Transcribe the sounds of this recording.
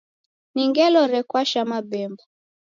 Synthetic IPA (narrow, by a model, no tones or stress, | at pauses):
niŋɡɛlɔɾɛkwaʃamabɛmbɔ